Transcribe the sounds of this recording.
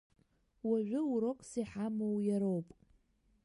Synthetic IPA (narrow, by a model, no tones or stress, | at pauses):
waʒʷᶣʊuɾokʷʼsiħamowjaɾowpʼ